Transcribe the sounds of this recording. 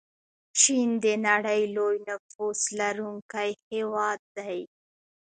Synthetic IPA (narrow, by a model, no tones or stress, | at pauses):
t͡ʃind̪ənaɽəjlojnafuslaɾuŋkajhewɑd̪̚ːaj